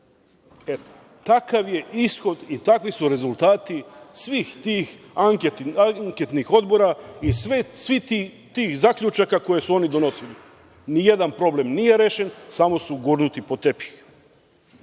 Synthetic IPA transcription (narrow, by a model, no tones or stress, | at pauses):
e | t̪akaʋje̞isxo̞d̪it̪akʋisuɾe̞zulˠt̪aːt̪isʋiːxt̪iːx | aŋaŋket̪nixo̞d̪bo̞ɾaisʋesʋii | t̪iːxzakʎut͡ʃakako̞je̞suo̞nid̪o̞no̞sili | nije̞d̪anpɾo̞ble̞mnije̞ɾeːʃe̞nsamo̞suɡuɾnut̪ipo̞t̪e̞pi̥x